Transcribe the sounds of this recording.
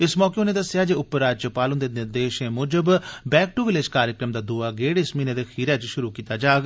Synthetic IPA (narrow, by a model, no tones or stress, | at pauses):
ɪsmɔːkeːʊnẽːd̪əsːɪjaːd͡ʒeːʊpːəɾːaːd͡ʒt͡ʃəpaːlənd̪eːnɪɾd̪eːʃẽːmʊːd͡ʒəbbɛːk̚ʈuʋɪleːd͡ʒkaːɾjəkɾəmd̪aːd̪uːaːɡeːɽesmiːneːd̪eːxʰiːɾɛːt͡ʃʃʊɾuːkiːt̪aːd͡ʒaːɡ